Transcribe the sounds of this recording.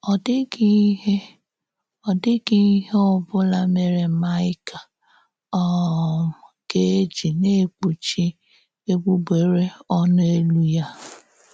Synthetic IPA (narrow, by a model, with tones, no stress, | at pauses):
ɔ˨dɪ˦ɡi˦ɦe˦ | ɔ˨dɪ˦ɡi˦ɦe˦ʊ˦bʊ˦la˦me˨ɾe˨ma˦ɪ˦ka˨ | ɔ˦˨ | ɡe˦e˦d͡ʒi˨ne˦˨k͡pu˨t͡ʃi˦ | e˦ɡ͡bu˦be˨ɾe˦ɔ˦n˦e˦lu˦ja˦